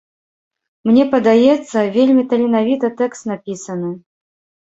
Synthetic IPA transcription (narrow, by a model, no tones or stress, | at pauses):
mnʲɛpɐd̪ajɛt̪sːɐvʲelʲmʲit̪ɐlʲɪnavʲit̪ɐt̪ɛkst̪napʲisɐnɨ